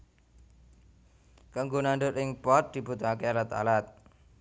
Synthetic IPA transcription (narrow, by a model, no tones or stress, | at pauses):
kaŋɡonaɳɖʊt̪ɪŋpɔt̪̚d̪̥i̤b̥ṳt̪ɔŋakealat̪a̰lat̪̚